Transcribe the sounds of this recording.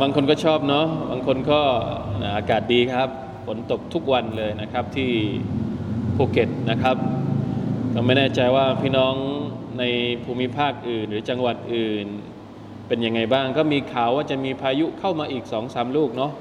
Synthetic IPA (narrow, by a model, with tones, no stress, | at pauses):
baː˧ŋkʰo˧nkɔː˥˩t͡ɕʰɔː˥˩p̚nɔ˦˥baː˧ŋkʰo˧nkɔː˥˩a˨˩ʔaː˧kaː˨˩t̪̚diː˧kʰa˦˥p̚ | fʰo˩˦nt̪o˨˩k̚t̪ʰu˦˥k̚wa˧nlɤː˧jna˦˥kʰa˦˥p̚t̪ʰiː˥˩ | pʰoː˧˩ke˨˩t̪̚na˦˥kʰa˦˥p̚ | kɔː˥˩ma˥˩jnɛː˥˩t͡ɕa˧jwaː˥˩pʰiː˥˩nɔː˦˥ŋna˧jpʰuː˧mi˦˥pʰaː˥˩k̚ʔɯː˨˩nɾɯː˩˦t͡ɕa˧ŋwa˨˩t̪̚ʔɯː˨˩n | pe˧nja˧ŋːa˧jbaː˥˩ŋkɔː˥˩miː˧kʰaː˨˩˦waː˥˩t͡ɕa˨˩miː˧pʰaː˧ju˦˥kʰa˥˩wmaː˧ʔiː˨˩k̚sɔː˩˦ŋsaː˩˦mluː˥˩k̚nɔ˦˥ʔ